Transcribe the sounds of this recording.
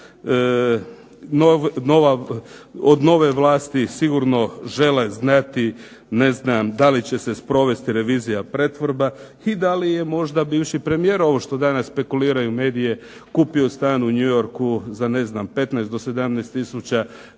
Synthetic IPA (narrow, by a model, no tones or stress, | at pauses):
noʋno̞ʋa | od̪no̞ʋe̞ʋlˠaːst̪isiɡuɾno̞ʒe̞leznat̪i | ne̞znamd̪alit͡ɕe̞se̞spɾo̞ʋe̞st̪iɾe̞ʋiːzijapɾe̞t̪ʋoɾba | id̪alije̞mo̞ʒd̪abiːʋʃipɾe̞mijeːɾo̞ʋo̞ʃt̪o̞d̪anasːpe̞kuliːɾajume̞ːd̪ije̞ | kuːpio̞st̪aːnuɲujo̞ɾkuzane̞znampe̞t̪najst̪d̪o̞se̞d̪amnɛst̪ːisut͡ɕa